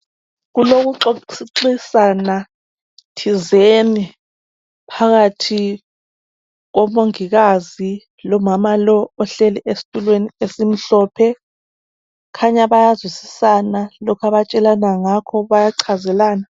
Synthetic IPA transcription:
ɣuloɣuǁoǃisana | tʰizeni | pʰaɣatʰi | ɣɔmoŋiɣazi | lɔmamalɔːɬɛlɛʔesi̥tʼulweniesim̩ɬɔːpʰɛ | kʰaɲaβajazwisisanalɔkʰaβat͡ʃʼɛlanaŋakʰɔβajaǀʰazɛlaːna

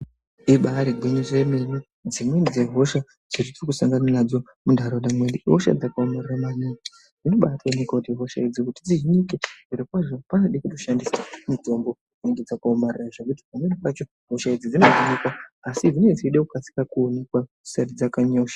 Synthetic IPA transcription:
iɓaɾiɡʱwiniremini | d͡zimwenid͡zeɦo̞ʃa | d͡z̥iritokusaŋɡananad͡zo̞ | mundʱaɾoɗamwe̞ɗiʔɦoʃa̰d͡zakaomariramaniːɡi | d͡zino̞ɓatʰainekwakutiɦo̞ʃaid͡zikutid͡ziʒiɲiked͡ziɾikwaʐopanoɗikuto̞ʃandisamito̞mbo | ineŋɡed͡zakaomariraʐekuti̥pamwenipat͡ʃo | ɦo̞ʃaid͡zid͡zinoʐiɲikwaasid͡zined͡ziiɗeukat͡si̥kakuone̞kwa | u̥sarid͡zakaɲo̞ːʃḁ

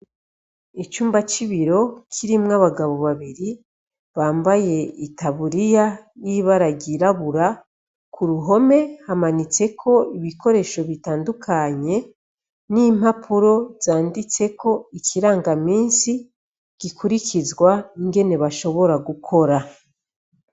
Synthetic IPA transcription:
it͡ʃuːmbat͡ʃiβiɾo̞kʰiɾimŋaβaɡaβo̞βaβiɾi | βaːmbaje̞itaβuɾijajiβaɾaɡiɾaβuɾa | kʰuɾuɦo̞me̞hamanit͡se̞kʰo̞iβiko̞ɾe̞ːʃo̞βitaːndukʰaɲe̞ | nim̥hapʰuɾo̞z̥aːndit͡se̞ko̞ikʰiɾaːŋɡamiːnsi | ɡ̥ikʰuɾikizɡwaiŋɡe̞ne̞βaʃo̞βo̞ɾaɡukʰo̞ɾa

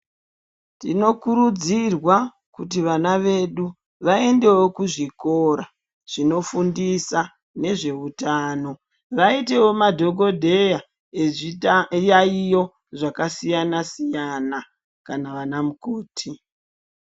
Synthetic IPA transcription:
tino̞kuɾud͡zirwa | kut̬iʋanaʋe̞ɗu | ʋae̞nde̞wo̞kuʐiko̞ɾa | ʐ̥ino̞fundisa | ne̞ʐe̞utaːno̞ | ʋaite̞wo̞madʱo̞ɡo̞dʱe̞ja | eijaijo̞ | ʐakasijanasijana | kanaʋanamukoːtʰi

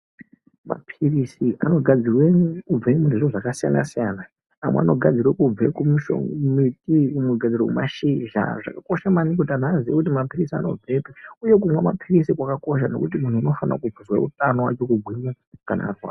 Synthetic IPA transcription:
ma̰pʰirisiʔano̞ɡʱad͡zirweɲukub͡vemuneʐoʐakasijana̰sijana | amwḛa̰no̞ɡʱad͡zirwekub͡vekumuʃo̰mitikumeɡʱad͡zirwekumaʃiʒa̰ʐa̰kako̞ʃamanik̬otanaːziwakut̬imapirisia̰no̞̰b͡vʱe̞peuje̞k̬umwemapʰirisikwakako̞ʃ̬ano̞̰kut̬imun̤uino̞fana̰kub͡vuzwa̰utanowa̰t͡ʃo̞kuɡʱwiɲa | kanarwa̰

